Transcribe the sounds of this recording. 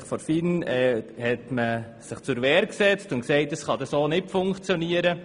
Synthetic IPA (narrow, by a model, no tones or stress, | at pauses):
χfɔɾfinɛhɛtmə | sɪχt͡sʊɾʋɛːɾksɛt͡stʊnksɛɪt̚d̥əsχɑd̥̪ɑsoːnɪtfʊŋkχt͡sjɔniəɾə